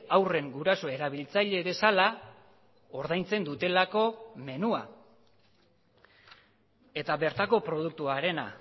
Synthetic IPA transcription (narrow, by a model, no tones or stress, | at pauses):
awre̞ŋɡuɾaso̞e̞ɾaβ̞ilt͡saʎe̞βe̞sala | o̞ɾðajnt͡se̞nd̪ut̪e̞lako̞me̞nua̰ | e̞t̪aβe̞ɾt̪ako̞pɾo̞ð̞uk̚t̪uaɾe̞na̰